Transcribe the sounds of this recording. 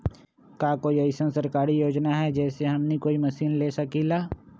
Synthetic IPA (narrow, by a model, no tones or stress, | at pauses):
kjaːkoːiɐɪsənsɐɾkaːɾijoːd͡ʒnaɦɛd͡ʒɛːseɦɐmnikoːimɐsiːnleːsɐkilaː